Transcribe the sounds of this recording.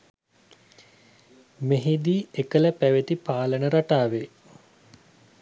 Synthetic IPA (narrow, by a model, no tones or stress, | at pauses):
meɦid̪iːekələpæʋet̪ipaːlənəɾaʈaːʋe